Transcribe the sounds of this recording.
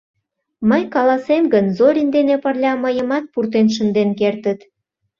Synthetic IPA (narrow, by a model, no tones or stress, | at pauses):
məjkɑlɑsemɡənzoɾʲind̪enepərlʲɑməjə̆mɑt̪̚purt̪̬enʃ̬ə̆nd̪enkert̪ət̪